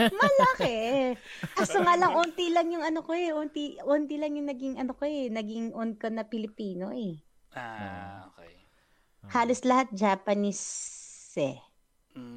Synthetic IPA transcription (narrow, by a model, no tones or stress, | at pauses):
mɐlɐkɛ | ʔɐst̪oŋaːlɐŋʔoːnt̪ilɐŋjʊŋɐnokoɛʔont̪iʔoːnt̪ɪlɐŋjʊŋnɐɡɪŋɐnokoɛnɐɡɪŋʔonkɐnɐpɪlɪpiːnoʔɛ | o | haːloslɐhat̪̚d͡ʒaːpɐnis | ɛ̰